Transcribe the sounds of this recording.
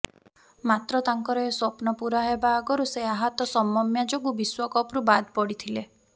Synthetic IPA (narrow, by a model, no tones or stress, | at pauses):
mat̪ɾɔt̪aŋkɔɾɔeswɔpnɔpuɾaɦebaːɡɔɾuseaɦat̪ɔsɔmɔmjad͡ʒɔkubiswɔkɔpɾubad̪pɔɽit̪ʰile